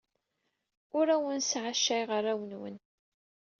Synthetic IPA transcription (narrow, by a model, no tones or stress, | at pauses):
ʊɾæwənsʕaʃːæjʁərˤːæwənwə̰n